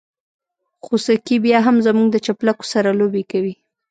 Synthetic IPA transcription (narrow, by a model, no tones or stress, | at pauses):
xosakibjɑɦamzamuɡd̪ət͡ʃaplako̥saɾalobekawi